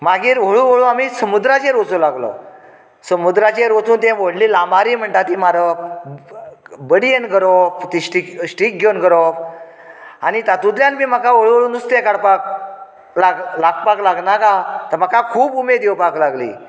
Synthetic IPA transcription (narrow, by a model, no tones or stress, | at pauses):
maɡiːɾʋ̤oɭuʋoɭũamiːsəmud̪ɾat͡ɕẽɾot͡sulaɡlə̰ | səmud̪ɾat͡ɕeɾot͡suːnt̪ɛ̃ʋoɽliːlamaɾiːm̤əɳt̪at̪imaɾə | bəɽienɡəɾoft̪iɕʈikɕʈik̚ɡʱjonɡəɾof | a̰nit̪at̪ud̪ljanmiːm̤akaʋoɭuʋoɭuːnust̪ekaɽpak̚ | laɡlaɡpaklaɡnakat̪əɾm̤akakʰuːbumed̪ewpaklaɡlḭː